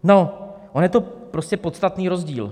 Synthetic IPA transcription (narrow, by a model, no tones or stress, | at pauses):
noʔonjɛt̪o̞pɾo̞scʲɛpot̪st̪at̪niːɾo̞zɟiːl